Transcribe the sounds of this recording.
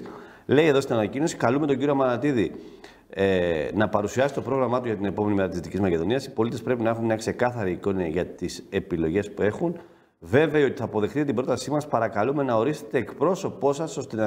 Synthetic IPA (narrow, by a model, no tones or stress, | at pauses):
le̞ie̞ðo̞st̪inɐnɐcino̞si̥kɐlume̞t̪o̞ɲɟiɾiomɐnɐt̪iði | enɐpɐɾusiɐsi̥t̪o̞pɾo̞ɣɾɐmɐt̪uʝɐt̪ine̞pome̞nimeɐt̪ist̪icizmɐce̞ðo̞niɐsi̥po̞lit̪epɾe̞pinɐe̞xunmɲɐkse̞kɐθɐɾiːko̞nɐʝɐt̪ise̞pilo̞ʝe̞spue̞xun | ve̞veɐio̞t̪i̥θɐːpo̞ðe̞xt̪it̪ibɾo̞t̪ɐsimɐspɐɾɐkɐlume̞nɐo̞ɾist̪e̞t̪e̞ːkpɾo̞so̞po̞sɐso̞st̪enɐ